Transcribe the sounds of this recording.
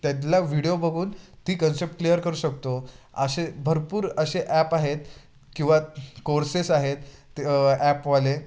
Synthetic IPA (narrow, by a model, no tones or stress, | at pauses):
t̪jat̪laʋiɽijobʱəɡʱuːnt̪iːkənsep̚ʈklijəɾkəɾuːɕəkt̪o | ə̰ɕebʱəɾpuːɾəɕeʔæpaɦet̪ | kĩw̃ʋakoɾsesaɦet̪ | æpʋale